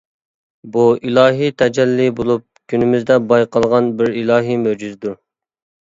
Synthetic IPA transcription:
builˠɑːɦit̪ʰɛd͡ʒɛlːibolˠup̚kʲʰynɪmɪzd̪ɛbɑjqɑlˠʁɑnbɪɾilˠɑːɦimød͡ʒyzɪd̪uɾ

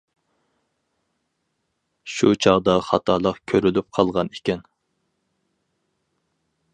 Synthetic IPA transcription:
ʃut͡ʃʰɑʁd̪ɑχɑt̪ʰɑlˠəqkʲʰøɾylyp̚qʰɑlˠʁɑnikʲɛn

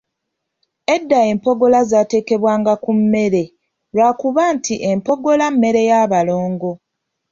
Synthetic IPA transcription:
edːae̞ːmpo̞ɡo̞lazaːte̞ːke̞βwaːŋɡakumːe̞ɾe̞ | lwaːkuβaːntʰiʔe̞mpo̞ɡo̞lamːe̞ɾe̞jaβalo̞ːŋɡo̞

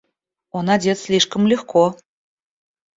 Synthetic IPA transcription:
onɑdʲet̪sʲlʲiʃʂkə̆mlʲexkʰo

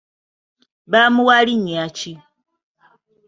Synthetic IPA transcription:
βamuwaliɲiat͡ʃi

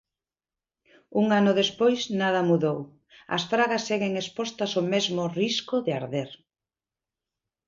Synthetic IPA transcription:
uŋanʊðespojznað̞ɐmuðow | ɐ̰sfɾaɣɐsːeɣeŋespɔst̪ɐsomezmʊriskʊðeaɾðeɾ

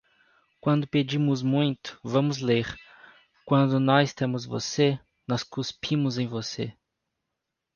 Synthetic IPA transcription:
kwɐ̃nd̪ʊped͡ʒĩmʊzmũj̃t̪ʊ̥vɐ̃mʊzleɾ | kwɐ̃nd̪ʊnɔzɪst̪ẽmʊzvo̰se | nɔskuspʰĩmʊzẽj̃vosḛ

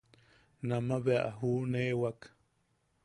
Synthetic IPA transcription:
namaβea̰ʔaɦuːnewak

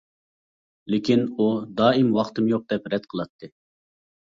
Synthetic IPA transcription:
lɪkʲʰinud̪ɑːimwɑχt̪ɨmjoq̚d̪ɛpɾɛd̪̥qʰəlˠɑt̪ʰːɨ

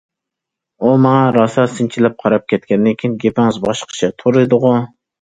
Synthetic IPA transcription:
umɑŋɑɾɑsɑsɪnt͡ʃʰilɛp̚qʰɑɾɑp̚kʲʰɛt̪̚kʲɛnd̪ɪŋkʲʰinɡʲepɪŋɨzbɑʃqʰə̥t͡ʃʰɛt̪ʰoɾɨd̪ʊʁʊ

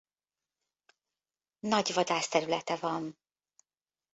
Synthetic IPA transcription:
nɒɟvɒd̪aːst̪ɛɾylɛt̪ɛvɒn

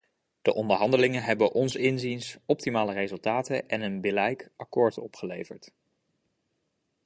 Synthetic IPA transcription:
d̥əʔɔndəɹɦɑndəlɪŋənɦɛbəʔɔnsɪnzinsɔp̚timaːlərezɵlˠtaːtəʔɛnənbɪlɛjkɑkɔːɹtɔpχəlḛjvəɹt

